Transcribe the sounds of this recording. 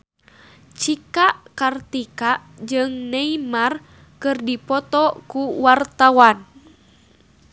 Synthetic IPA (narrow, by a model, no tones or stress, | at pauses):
t͡ʃikaʔkart̪ikaʔd͡ʒɨŋneimar | kɨrdipɔt̪ɔkuwart̪awan